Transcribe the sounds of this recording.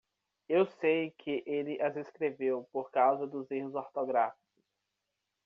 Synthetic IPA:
ewsejkʰɪʔelɪʔazeskɾevewpoɾkawzɐd̪ʊzeɦʊzoɾt̪oɡɾafikʊs

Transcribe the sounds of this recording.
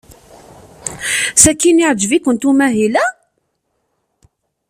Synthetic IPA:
sækːiniʕd͡ʒvikənt̪umæɦilæ

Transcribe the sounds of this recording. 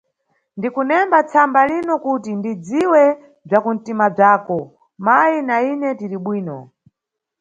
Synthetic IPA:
ndikunɛmbat͡sʰambalinɔkutindid͡ziwɛ | b͡ʐakun̩timab͡ʐaːkɔ | majinainɛtiɾiɓwiːnɔ

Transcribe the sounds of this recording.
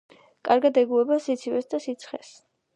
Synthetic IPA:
kʼaɾɡad̪ɛɡuɛbasit̪sʰivɛsd̪asit̪sʰχɛs

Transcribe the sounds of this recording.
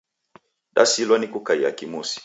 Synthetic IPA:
ɗa̰silwanikukaia̰kimusi̥

